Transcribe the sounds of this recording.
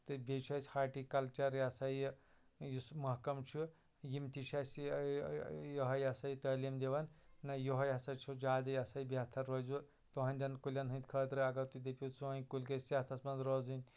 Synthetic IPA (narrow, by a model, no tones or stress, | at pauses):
t̪ɨbʲet͡ʃʰɐsʲhaːʈikɐlt͡ʃɐɾjɐsɐj | jusmɐɦkɐmt͡ʃʰu | jimt̪iʃɐs | jɐɦɐjɐsɐjt̪ɐːlimd̪eʋɐnːɐjuɦɐjɐsɐt͡ʃʰud͡ʒaːd̪ɐjɐsɐjibɐt̪ʰɐɾɾɐzu | t̪uɦɐnʲd̪ʲɐnkulʲɐnɦɨ̃nt̪ʲkʰɐːt̪ɾɨɐɡɐwt̪ud̪epʲisuɦɐnkulʲkɐsjɐt̪ʰɐsmɐnzɾoːzɨnʲ